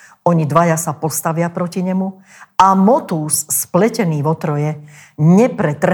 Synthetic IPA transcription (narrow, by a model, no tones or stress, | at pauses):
ɔɲid̪ʋajasapɔst̪aʋɪapɾɔciɲɛmu | amɔt̪uːsːplɛcɛniːʋɔt̪ɾɔjɛ | ɲɛpɾɛt̪ɾ